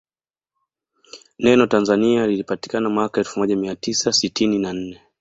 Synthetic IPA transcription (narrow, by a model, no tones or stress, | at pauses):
nɛnɔtanzanialilipati̥kanamwakaɛlfumɔʄamiatisasitininan̩nɛ